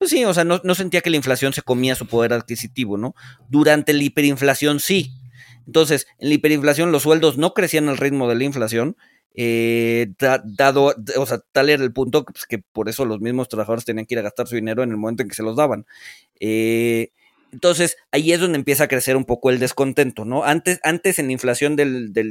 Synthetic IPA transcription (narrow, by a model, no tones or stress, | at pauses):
pesio̞seano̞no̞s̬e̞nt̪iake̞laiɱflasjo̞nse̞ko̞miasupo̞ð̞e̞ɾaðkisit̪iβo̞no̞ðuɾant̪e̞laipe̞ɾiɱflasjo̞nsient̪o̞ns̬e̞senlaipe̞ɾiɱflas̬jo̞nlo̞sːwe̞ld̪ozno̞kɾe̞sianalrid̪mo̞ð̞e̞laiɱflasjo̞n | e | ad̪aðo̞oseat̪ale̞ɾaelpunt̪oke̥ke̞poɾe̞so̞lo̞zmizmo̞st̪ɾaβaxaðo̞ɾet̪eniaŋkeiɾaɣast̪aɾsuðineɾoenelmoment̪oeŋkese̞lo̞zðaβan | e | ent̪o̞ns̬e̞saie̞zðo̞nd̪empje̞s̬akɾe̞se̞ɾumpo̞ko̞e̞ld̪e̞sko̞nt̪e̞nt̪o̞no̞ant̪esant̪e̞senlaiɱflasjo̞nd̪e̞ld̪el